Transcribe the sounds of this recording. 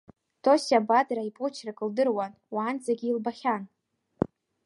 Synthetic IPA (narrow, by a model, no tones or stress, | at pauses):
tʰosabadraipʼʊt͡ʃʰrakʼɨldɨrwan | waːnd͡zʼaɡʲiːlbaχʲan